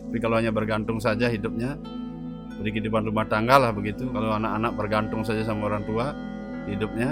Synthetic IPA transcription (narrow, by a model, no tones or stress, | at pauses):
t̪apikalohaɲabərɡant̪ʊŋsad͡ʒaɦidʊp̚ɲa | daɾikidupanrumaht̪aŋɡalahbəɡit̪ukaloanaʔkanak̚bərɡant̪ʊŋsad͡ʒasamaoɾaŋt̪ua | hidʊp̚ɲa